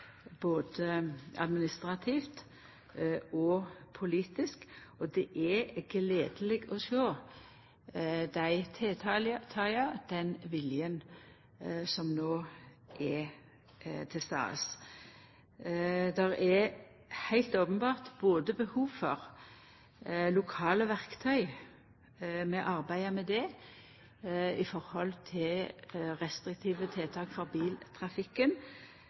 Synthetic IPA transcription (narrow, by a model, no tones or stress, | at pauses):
boːd̪əɑ̰d̪mɪnɪst̪ʁɑt̪ʰiːft̪ | ɔpʰʊliːt̪ɪskɔd̪ɛʔɛɡəleːd̪əlɛɡɔsoː | d̪æɪt̪ʰɛt̪ʰɑlt̪ʰɑɑd̪̥ɛnʋɪljən | sɔmnoː | ʔɛ | t̪ʰɪst̪ɑ̰ːs | d̪ɛʁɛ | hæɪlt̪oːpənbɑːʁt̪boːd̪əbəhuːʋfɔʁ | lʊkʰɑːləʋæʁkt̪ʰœʏ | mɛʔɑʁbæɪɑmɛd̪ɛ | ɪfɔʁhɔlt̪ʰɪlʁɛst̪ʁɪk̚t̪ʰiːʋət̪ʰeːt̪ʰɑːkfɔʁbiːlt̪ʰʁɑfɪkːən